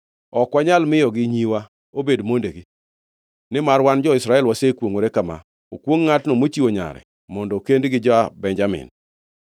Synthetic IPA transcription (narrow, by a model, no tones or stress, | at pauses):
ɔkwaɲalmɪjɔɡɪɲiwa | obedmondeɡi | nɪmarwand͡ʒɔɪsɾaɛlwasekwoŋoɾekama̰ | okwoŋːatnomot͡ʃiwoɲa̰ɾɛ̰ | mɔndɔkendɡɪd͡ʒɔabɛɲd͡ʒamɪ̰n